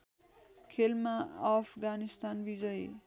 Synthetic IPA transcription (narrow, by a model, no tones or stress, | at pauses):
kʰelmaapʰɡanist̪anbid͡zʌj